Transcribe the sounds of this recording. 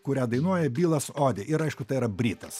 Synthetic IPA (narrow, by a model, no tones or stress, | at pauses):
kʊɾʲæːd̪ɐɪnuɔjɛbʲiːlˠɐsoːd̪ʲeʔɪɾɐɪʃkʊt̪ɐɪiɾɐbʲɾʲiːt̪ɐs